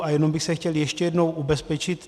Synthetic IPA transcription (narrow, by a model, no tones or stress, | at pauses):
ʔajɛno̞mbɪxsɛxcɛljɛʃcɛjɛdnowʔubɛspɛt͡ʃɪt̪